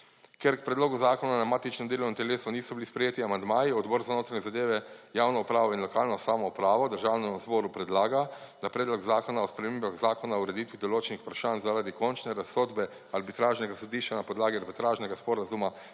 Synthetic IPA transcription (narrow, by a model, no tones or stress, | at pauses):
keɾkpɾɛd̪loːɡuzaːkɔnanamaːt̪it͡ʃnɛmd̪eːlownimt̪ɛleːsɔniːsɔbilispɾɛjeːt̪iamand̪maːjiɔd̪bɔːɾzanoːt̪ɾaɲɛzad̪eːʋɛjaːwnɔupɾaːʋɔinlɔkaːlnɔsaːmɔupɾaːʋɔd̪əɾʒaːwnɛmzbɔːɾupɾɛd̪laːɡad̪̥apɾɛːd̪lɔkzaːkɔnaɔspɾɛmembaɣzaːkɔnaouɾɛd̪it̪ʋid̪oloːt͡ʃɛnixpɾaʃaːnzaɾad̪ikɔnt͡ʃnɛɾasːoːd̪bɛ | aɾbit̪ɾaːʒnɛɡasod̪iːʃt͡ʃanapɔd̪laːɡiaɾbit̪ɾaːʒnɛɡaspɔɾazuma